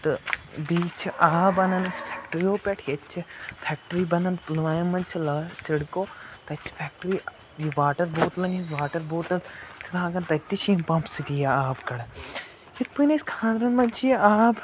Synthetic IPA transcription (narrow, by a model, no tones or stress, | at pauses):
t̪ɨbiːt͡ʃʰʔaːbɐnɐnɐsfʰɛːk̚ʈɾioːpʲɛʈʰjɐt͡ʃʰifʰɛk̚ʈɾiːbɐnɐnplʋaːjmɐnt͡ʃʰilɐsiɽkoːt̪ɐt͡ʃʰfʰɛːk̚ʈɾi | jiʋaːʈɐɾbuːt̪lɐŋizʋaːʈɐɾbuːt̪ɐlsʰɾaːɡɐnt̪ɐt̪it͡ʃʰĩmpɐ̃mpsit̪ijaaːbkɐɽɐ | jit̪̚punɐskʰãːnd̪ɾɐnmɐnt͡ʃʰijaːb